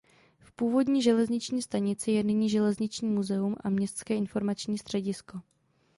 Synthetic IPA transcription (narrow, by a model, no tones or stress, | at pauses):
fpuːvo̞dɲiːʒɛlɛzɲɪt͡ʃɲiːst̪aɲɪt͡sɪjɛnɪɲiːʒɛlɛzɲɪt͡ʃɲiːmuzɛumʔa̰mɲɛst̪t͡skɛːʔɪnfo̞ɾmat͡ʃɲiːst̪r̝̥ɛɟɪsko̞